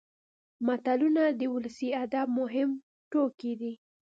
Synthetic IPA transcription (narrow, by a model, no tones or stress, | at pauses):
mat̪alunad̪əwʊlasiad̪ab̚mʊɦɪm | ʈokid̪i